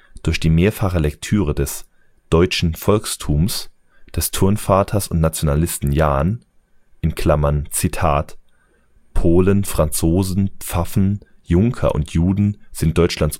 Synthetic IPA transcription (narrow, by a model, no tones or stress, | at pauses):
d̥ʊɐçd̥iːmeːɐfaχəlɛktʰyːʁ̞ədɛs | d̥ɔʏt͡ʃn̩fɔlkstʰuːms | d̥ɛstʰʊɐnfaːtʰɐsʊntnat͡sjonalɪstn̩jaːn | ʔɪnkʰl̥amɐnt͡sitʰaːt | pʰoːlənfʁ̥ant͡soːzn̩p͡fafn̩jʊŋkʰɐ̰ʔʊ̰ntʰjuːdn̩z̥ɪntd̥ɔʏt͡ʃʃlant